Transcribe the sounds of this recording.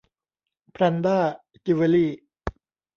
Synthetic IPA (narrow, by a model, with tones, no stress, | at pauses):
pʰɾa˧nd̪aː˥˩ | t͡ɕi˧we˧liː˥˩